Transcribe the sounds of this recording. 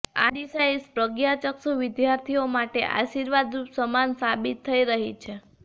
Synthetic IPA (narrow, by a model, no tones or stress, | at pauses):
a̰ɖisajispɾəɡjat͡ʃəksuʋɪd̪jaɾt̪ʰiomaʈḛʔa̰ʃiɾʋad̪ɾusəmansabit̪ʰːəiɾəɦit͡ʃʰe